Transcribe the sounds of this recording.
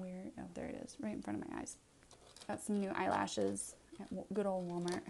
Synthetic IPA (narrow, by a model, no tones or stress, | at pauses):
wɪɹɾʌ̰vðə̰˞ɨ̰ɾɪ̰z̥ɹaɪɾn̩fɹʌ̃ɾ̃ʌvmaɪa̰ɪz̥ | ðætsʌ̃mnʉʔa̰ɪlˠæ̰ʃɪz̥ɨʔɡ̥ʊɾoʊlˠd̚wɑmə˞